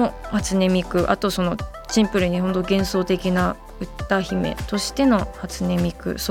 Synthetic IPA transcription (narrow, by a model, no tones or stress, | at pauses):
ohat͡sɨne̞mʲikɯ̟ʔa̰t̪o̞so̞no̞ | t͡ɕĩmpɯ̟ɾɯ̟ɲ̟iho̞nt̪o̞ɡẽ̞ɰ̃so̞ːt̪e̞kʲina | ɯ̟t̪ːaçime̞̰t̪o̞ɕi̥t̪e̞no̞hat͡sɨne̞mʲikɯ̟̰so